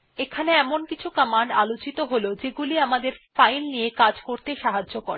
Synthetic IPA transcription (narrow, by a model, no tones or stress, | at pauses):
ekʰaneɛmonkit͡ɕʰukəmaɳɖalot͡ɕit̪oɦolod͡ʑeɡuliamad̪eɾfajlniekad͡ʑkoɾt̪eʃaɦad͡ʑokoɾ